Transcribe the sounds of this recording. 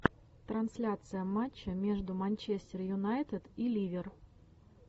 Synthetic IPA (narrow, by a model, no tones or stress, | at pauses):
t̪ɾɐnsʲlʲat̪sɨjəmat͡ɕːəmʲe̞ʐd̪ʊmɐnʲt͡ɕesʲtʲɪrjʊnajt̪ɪd̪ilʲivʲɪr